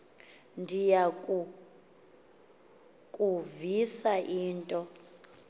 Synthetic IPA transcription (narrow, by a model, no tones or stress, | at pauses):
ndʱijakʼu | kʼuvisaʔiːntʼɔ